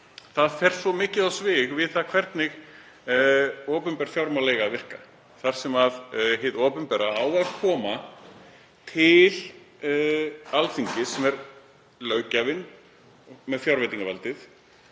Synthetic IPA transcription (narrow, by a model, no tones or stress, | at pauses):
θaðfɛr̥svɔmɪːcɪðawsvɪɣvɪðθaðkʰvɛɾt̪nɪɣ | ɔːpʏmpɛɾ̥fjawɾmawlejɣavɪr̥ka̰ | θaɾ̥sɛmaðɦɪðɔːpʏmpɛːɾaaːwɛfkʰɔːma | t̪ʰɪl | alθiɲcɪsɛmɛɾ | lœːɥcavɪn | ɔmɛðfjawɾvɛt̪iŋkavalt̪ɪθ